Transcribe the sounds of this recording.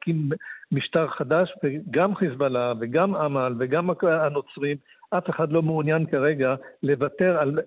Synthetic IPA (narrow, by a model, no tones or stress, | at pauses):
kimːiʃtaʁχad̪aʃveɡamχisbalaveɡamamalve̞ɡamaano̞t͡sʁim | ʔafeχad̪lo̞muunjankaʁe̞ɡale̞vate̞ʁal